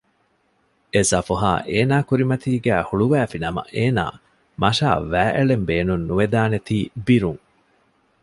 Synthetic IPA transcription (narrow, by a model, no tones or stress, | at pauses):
esɐfuɦa̰ːʔeːnaːkuɾimɐt̪iːɡæːhuɭuʋæːfinɐmɐ̰ʔeːna̰ː | mɐʃa̰ːʋæːʔeɭembeːnunːuʋed̪aːnet̪iːbiɾuŋ